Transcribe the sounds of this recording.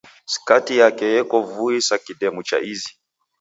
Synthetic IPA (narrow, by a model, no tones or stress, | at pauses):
si̥katijakɛjɛkɔvuisakiɗɛmut͡ʃa̰ʔizi